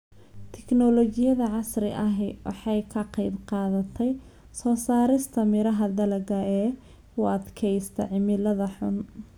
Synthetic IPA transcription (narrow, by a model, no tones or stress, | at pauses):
t̪ʰɛknɔlɔt͡ʃɪjɐðɐʕɑsrɪʔɐɦɛwʔɑ̰ħɑjkʰɐqɛjbqɑːðɐt̪ʰɛj | sɔːsaːɾɪst̪ʰɐmɪɾɐɦɐd̪ɐlɐɡɐɛː | ʊɐd̪kʰɛjst̪ʰɐ̰ʕɪmɪlɐðɐħʊ̰n